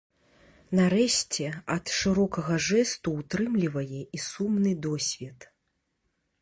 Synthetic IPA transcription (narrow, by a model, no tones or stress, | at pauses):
nɐɾɛɕʲt͡sʲɛɐt̪ʂɨɾɔkɐɣɐʐɛst̪uːt̪ɾɨmlʲivɐjɛisumnɨd̪ɔsʲvʲɛt̪